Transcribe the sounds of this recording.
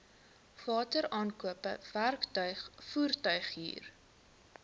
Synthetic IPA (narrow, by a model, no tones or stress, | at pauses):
v̥ɑːtəɾɑːnkuəpəv̥ærktœɥχfuːrtœɥχɦḭːr